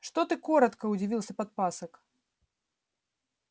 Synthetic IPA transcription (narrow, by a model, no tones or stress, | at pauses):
ʂt̪ɔt̪ɨkɔɾɐt̪kɐud͡zʲivʲilˠsʲɐpɐt̪̚pasɐk